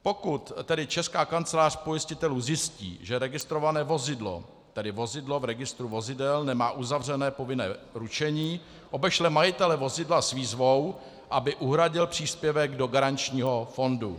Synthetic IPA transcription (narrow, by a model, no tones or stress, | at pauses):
po̞kut̪ːɛdɪt͡ʃɛskaːkant͡sɛlaːr̝̥pojɪscɪt̪ɛluːzjɪscḭːʒɛɾɛɡɪst̪ɾo̞vanɛːvo̞zɪdlo̞̰ | t̪ɛdɪvo̞zɪdlo̞vɾɛɡɪst̪ɾuvo̞zɪdɛlnɛmaːʔuzavr̝ɛnɛːpo̞vɪnɛ̰ːɾut͡ʃɛɲiː | ʔo̞bɛʃlɛmajɪt̪ɛlɛvo̞zɪdlasviːzvo̞w | ʔabɪʔuɦɾaɟɪlpr̝̥iːspjɛvɛɡdo̞ɡaɾant͡ʃɲiːɦo̞fo̞ndu